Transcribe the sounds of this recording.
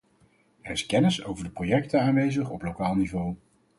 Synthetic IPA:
ɛɹɪskɛnɪsowvəɹdəprojɛk̚tənaːnʋejzəχɔplowkaːlˠnivow

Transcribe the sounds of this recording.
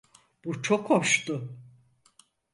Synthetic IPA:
b̥ut͡ʃʰokhoʃt̪ʊ

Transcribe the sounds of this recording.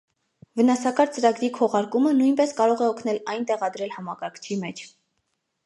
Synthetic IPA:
vənɑsɑkɑɾt͡səɾɑɡɾikʰɔʁɑɾkumənujnpɛskɑɾɔʁɛɔkʰnɛlɑjnt̪ɛʁɑd̪ɾɛlhɑmɑkɑɾkʰt͡ʃʰimɛt͡ʃʰ

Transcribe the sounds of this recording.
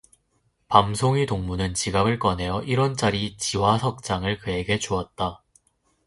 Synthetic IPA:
pamsʰoŋitoŋmunɯnt͡ɕiɡabɯɭk͈ʌnɦe̞jʌʔiɾʌnt͡ɕ͈aɾit͡ɕiwasʰʌk̚t͡ɕ͈aŋɯɭkɯe̞ɡe̞t͡ɕoat̚t͈a

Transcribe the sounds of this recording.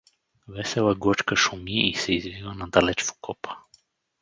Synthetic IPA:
vɛsɛlaɡɔt͡ʃkaʃumiisɛizvilanad̪alɛt͡ʃvu̥kɔpʰḁ

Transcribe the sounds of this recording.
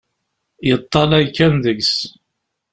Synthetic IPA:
jət̪ˤːɑlæjkːænðəɡs

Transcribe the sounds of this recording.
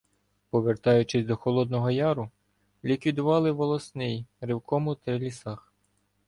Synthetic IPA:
pɔʋert̪ɑjʊt͡ʃɪsʲd̪ɔxɔlˠɔd̪nɔɦɔjɑɾʊ | lʲikʋʲid̪ʊʋɑlˠɪʋɔlˠɔsnɪjɾɪwkɔmʊt̪ɾɪlʲisɑx

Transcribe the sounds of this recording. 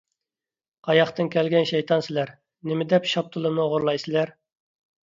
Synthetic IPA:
qʰɑjɑχt̪ɨnkʲʰɛlɡʲɛnʃɛjt̪ʰɑnsɪlæɾ | nɪmɪd̪ɛpʃɑp̚t̪ʰɨlˠɨnɨʁʊɾlˠɑjsɪlæɾ

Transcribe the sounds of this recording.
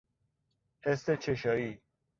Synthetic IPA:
hest̪et͡ʃʰeʃɒːiː

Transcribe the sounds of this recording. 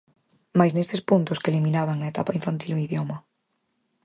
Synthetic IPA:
majznest̪espunt̪ʊskelimĩnaβaŋnɐet̪apaiɱfant̪iloiðjomɐ

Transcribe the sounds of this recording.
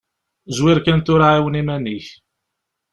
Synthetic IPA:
zwɪɾkænt̪ʊɾaʕiwənimæniç

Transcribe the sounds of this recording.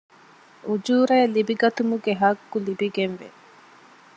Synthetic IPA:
ud͡ʒuːɾɐːlibiɡɐt̪umuɡeɦɐɡːulibiɡenʋḛ

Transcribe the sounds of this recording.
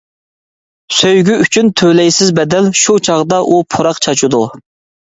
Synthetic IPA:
søjɡʲyyt͡ʃʰynt̪ʰølɛjsɪzbɛd̪ɛlʃut͡ʃʰɑʁd̪ɑʔupʰoɾɑqt͡ʃʰɑt͡ʃʰud̪u

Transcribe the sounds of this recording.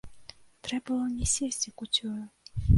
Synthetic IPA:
t̪ɾɛbɐlˠɔnʲɛsʲesʲt͡sʲikut͡sʲɔjʊ

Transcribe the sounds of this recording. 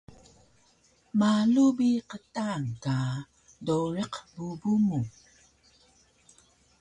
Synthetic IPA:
malubiqətaŋka | doɻeqbubumu

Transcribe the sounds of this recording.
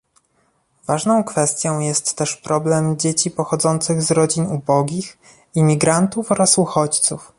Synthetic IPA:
vaʐnɔ̃w̃kfɛst̪ʲjɔ̃w̃jɛst̪ːɛʂpɾɔblɛmd͡ʑet͡ɕipɔxɔd̪zɔnt̪sɘɣzɾɔd͡ʑinubɔɡʲix | imʲiɡɾant̪ufɔɾasuxɔt͡ɕt̪suf

